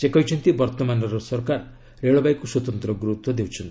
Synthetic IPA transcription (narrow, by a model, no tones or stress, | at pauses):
sekɔjt͡ʃʰɔnt̪ibɔɾt̪ɔmanɔɾɔsɔɾkaɾ | ɾeɭɔbajkusɔt̪ɔnt̪ɾɔɡuɾut̪wɔd̪ewt͡ʃʰɔnt̪i̥